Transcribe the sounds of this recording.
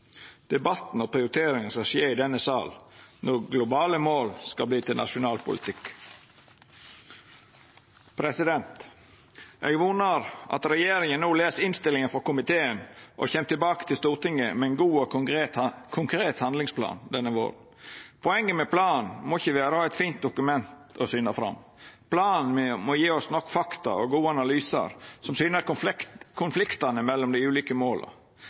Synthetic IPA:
d̪̥ɛbɑt̪n̩ɔpʰɾɪʊɾɪt̪ʰeːɾɪŋənskɑʃeːɪd̪ɛnːəsɑ̰ːlnɔɡlʊbɑːləmoːlskɑlbliːt̪ʰɪlnʔɑ̰ʃʊnɑːlpʰʊ̰lɪ̰t̪ʰɪk | pʰɾɛsɪd̪ɛnt̪ | ʔeːɡʋuːnəɾʔɑ̰t̪ɾɛjeːɾɪŋənnoːleːsəɪnst̪ɪlɪŋənfɔɾkʊmɪt̪ʰeːənʔɔ̰çɛmt̪ʰɪlbɑːkə̥t̪ʰɪlst̪uːɾʈ̪ɪŋːəmɛɛɪnɡuːɔt̪kʰʊŋkʰɾeːt̪hɑnd̪lɪŋspʰlɑ̰ːnd̪ɛnːəʋo̰ːɾn̩ | pʰɔɛŋːəmɛpʰlɑːnmɔɪçːəʋæːɾəhɑːɛt̪fiːnt̪̚d̪ʊkʉmɛnt̪ɔsʏnɑfɾɑ̰mː | pʰlɑːnmɔjiːɔsnɔkːfɑkt̪ɑ̰ɔ̰ɡuːəɑnɑlyːsɑ̰ɾsɔmsyːnəɾkʰʊnflɪkt̪ɑnəmɛlːɔmd̪ɛɪʉːliːkəmoːlʔə̰

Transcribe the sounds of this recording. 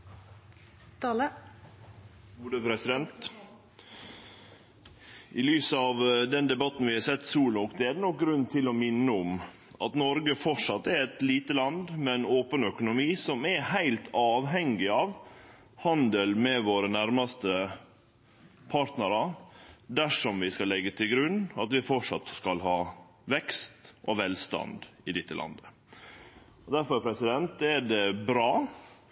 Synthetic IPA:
t̪ɑlə | uːd̪əpɾɛsɪd̪ɛnt̪ | ʔɪlyːsəɑʋd̪ɛnd̪ɛbɑt̪ːn̩ʋɪhɑɾsɛt̪ːsuːlɔkd̪ɛɛd̪ənɔk̚ɡɾʉnːt̪ʰɪlɔmɪnːəʊm | ʔɑ̰t̪nɔɾɡəfɔʂɑt̪ːɛɾɛt̪liːt̪əlɑnd̪mɛnoːpənœkʊnʊmiːsɔmɛhæɪlt̪ʰɑːʋɦɛŋɪɑʋ | hɑnd̪əlmɛʋoːɾənæɾmɑst̪ə | pʰɑːɾt̪nəɾɑd̪æʂɔmʋɪskɑlːɛɡːət̪ʰɪlɡɾʉnːɑt̪ʋɪfɔʂɑ̰t̪skɑlɦɑː | ʋɛkst̪ʔɔʋɛlst̪ɑ̰nd̪ɪd̪ɪt̪ːəlʔɑ̰nd̪ə | ɔd̪æɾfɔɾpʰɾɛsɪd̪ɛnt̪ɛɖɛbɾɑː

